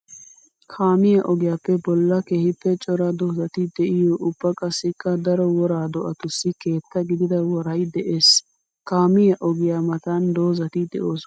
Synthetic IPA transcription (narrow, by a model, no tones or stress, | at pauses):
kʰaːmɪjɐʔɔɡɪjaːpːɛbɔlːɐkehɪpːɛt͡ʃʼɔɾɐd̪ɔzɐt̪ɪd̪ɛʔɪjɔʔʊbːɐkʼɐsːɪkːɐd̪ɐɾɔwɔɾaːd̪ɔʔɐt̪ʊsːɪke̞ːt̪ːɐɡɪd̪ɪd̪ɐwɔɾɐjd̪ɛʔeːs | kaːmɪjɐʔɔɡɪjamɐt̪and̪oːzɐt̪ɪd̪ɛ̰ʔoːs